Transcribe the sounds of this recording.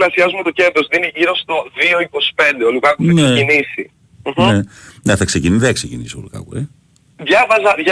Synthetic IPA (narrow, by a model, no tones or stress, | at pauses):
lɐsiɐzumet̪o̞ce̞d̪ɾozðiniʝiɾo̞st̪o̞ðio̞iko̞si̥pe̞nd̪eolukɐkuɐnsecinisi | m̩xeneθɐksecinðeɐksecinisolukɐ̰kṵi | ðʝɐvɐzɐðʝ